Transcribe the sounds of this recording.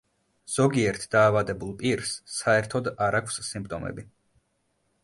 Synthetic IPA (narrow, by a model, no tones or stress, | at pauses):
z̥ɔɡiɛɾt̪ʰd̪̥aːvad̪ɛbulˠpʼiɾsːaɛɾt̪ʰɔd̪aɾakʷʰsːimp̚ʼt̪ʼɔmɛ̰bi